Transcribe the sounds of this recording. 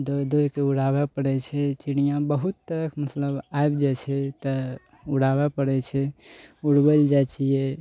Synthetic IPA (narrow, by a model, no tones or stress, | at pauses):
d̪od̪ojkeuɽabɛpəɽɛt͡ʃʰɛt͡ʃiɽijãbəɦut̪ːəɾəkʰmət̪ləbaebd͡ʒɛt͡ʃʰɛt̪ə | uɽabapəɽɛt͡ʃʰɛuɽbəld͡ʒat͡ʃijɛ